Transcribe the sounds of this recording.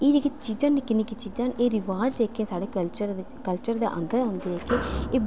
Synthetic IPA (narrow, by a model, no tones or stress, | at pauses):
eːd̪eket͡ʃiːd͡ʒãːnikɪniːkit͡ʃiːzãːnʔeːɾɪʋaːd͡ʒeːkẽːsaːɽeːkəlt͡ʃəɾ | kəlt͡ʃəɾd̪ḛːʔə̰̃nd̪əɾãːnd̪eːɦɛːkeːeːb